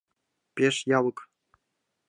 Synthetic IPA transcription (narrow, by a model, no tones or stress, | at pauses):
pʲeʂjɑlɤ̆k